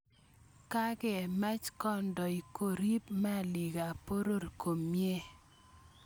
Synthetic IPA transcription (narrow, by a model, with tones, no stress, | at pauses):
ka˦ɡɛ˨ma˦t͡ʃkɔ˦ndɔ˨i˨ko˨ɾi˦pma˦li˨ɡa˨po˦ɾo˦rko˨mje˦